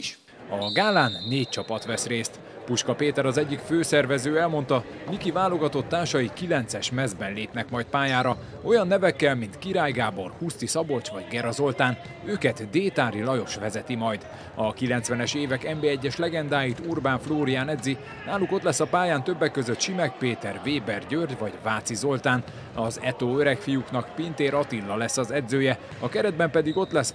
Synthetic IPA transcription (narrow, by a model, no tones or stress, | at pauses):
ɒɡaːlaːnːeːc̚t͡ʃɒpɒt̪ʋɛsreːst̪ | puʃkɒpeːt̪ɛɾɒzɛɟːikføːsɛrvɛzøːɛlmo̞nt̪ɒmikivaːlo̞ɡɒt̪o̞t̪ːaːrʃɒjikilɛnt̪sɛʃmɛzbɛnleːpnɛkmɒjt̪̚paːjaːɾɒ | o̞jɒnːɛvɛkːɛlmint̪kiɾaːjɡaːbo̞rhust̪isɒbo̞t͡ʃʋɒɟɡɛɾɒzo̞lt̪aːn | øːkɛt̪d̪eːt̪aːɾilɒjo̞ʃʋɛzɛt̪imɒjd̪ | ɒkilɛnt̪sʋɛnɛʃeːvɛkɛmbeːɛɟːɛʃlɛɡɛnd̪aːjit̪urbaːɱfloːɾijaːnɛd̪zi | naːluko̞t̪lɛsːɒpaːjaːnt̪øbːɛkːøzøt̪ʃimɛk̚peːt̪ɛrveːbɛrɟørɟvɒɟvaːt̪sizo̞lt̪aːn | ɒzɛt̪oːøɾɛkfijuknɒkpint̪eːɾɒt̪ilːɒlɛsːɒzɛd̪zøːjɛ | ɒkɛɾɛd̪̚bɛmpɛd̪iɡo̞t̪lɛs